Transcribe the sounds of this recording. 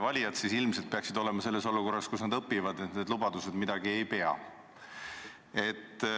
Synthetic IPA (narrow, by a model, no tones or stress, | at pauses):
vɑlʲijɑd̪sisilmset̪̚peɑksid̪o̞le̞mɑse̞lːe̞s̬oluko̞rːɑskusnɑd̪ɤpːivɑd̪net̪lubɑd̪use̞d̪mid̪̥ɑɡie̞jpe̞ɑ̰ | e̞t̪ː